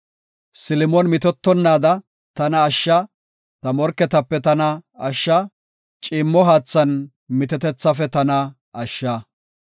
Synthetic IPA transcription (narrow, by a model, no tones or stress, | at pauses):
sɪlmɔnmɪt̪̬ɔt̪ːɔnːaːd̪ɐ | t̪ɐnɐːʃːɐ | t̪ɐmɔɾkːɛt̪ɐpːɛt̪ɐnɐɐʃːɐ | t͡ʃʼɪmːɔɦaːt͡sːɐn | mɪt̪ɛt̪ɛt͡sːɐfɛt̪ɐnɐ | ɐʃːɐ